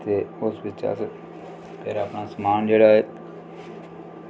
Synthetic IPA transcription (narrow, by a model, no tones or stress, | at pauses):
t̪eʊsbɪt͡ʃa̰s | pʰeɾaːpnasɐmaːnd͡ʒeːɽaɦeː